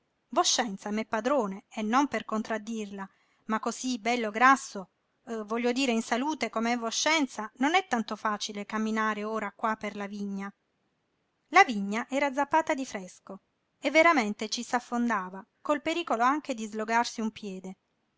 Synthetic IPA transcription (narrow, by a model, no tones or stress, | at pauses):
voʃːɛnt̪samɛpːad̪ɾoːneenːomperkont̪ɾad̪ːirla | makːozibɛlːoɡɾasːo | vɔʎːod̪iːɾeinsaluːt̪ekomeɛvoʃːɛnt̪sanonɛt̪ːant̪ofaːt͡ʃilekamːinaːɾeoːɾakwaperlaviɲːa | laviɲːaʔɛːɾad̪zːapːaːt̪ad̪ifɾɛsko | evːeɾament̪et͡ʃisafːond̪aːvakolpeɾiːkoloaŋk̟ed̪izloɡarsiumpjɛːd̪e